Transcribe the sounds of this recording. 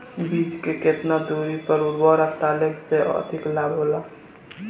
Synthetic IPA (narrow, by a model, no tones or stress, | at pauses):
biːd͡ʒkeket̪nad̪uɾipəɾuɾbɔɾat̪aːlekseɔ̰d̪ʱɪklaːbɦoːla